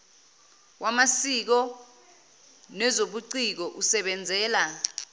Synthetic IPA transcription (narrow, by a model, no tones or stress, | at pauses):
wʔamasik̬ɔ | nɛzoɓuǀik̬ɔʔusɛɓɛnd͡zʱɛːla